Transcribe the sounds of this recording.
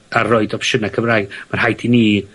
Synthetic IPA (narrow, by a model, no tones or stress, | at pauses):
arɔɨdɔpʃənakʰəvraːjɡmanhajdʰiniː